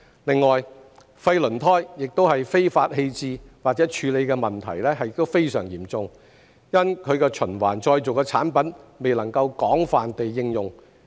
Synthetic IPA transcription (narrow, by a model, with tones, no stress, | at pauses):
lɪ˨ŋːɔː˨j | fɐ˧jlɵ˨˩nt̪ʰɔː˥jjɪ˨k̚t̪o˥whɐ˨jfe˥jfaː˧t̚he˧jt͡siː˧waː˨t̚t͡sɛː˨˥t͡ʃʰyː˨˧le˨˧jkɛː˧mɐ˨nt̪ʰɐ̰˨˩jlɛ˥ɦɐ˨jɪ˧˥t̪o˥wfe˥jsœː˨˩ŋjiː˨˩mt͡sʊ˧ŋ | jɐ˥nkʰɵ˨˧ɥkɛː˧t͡ʃʰɵ˨˩nwa̰ː˨˩nt͡ʃɔː˧jt͡so˨wkɛː˧t͡sʰa̰ː˨˥npɐ˨˥nme˨jlɐ˨˩ŋkɐ˧wkɔː˨˥ŋfaː˨nt̪e˨jːɪ˧ŋjʊ˨ŋ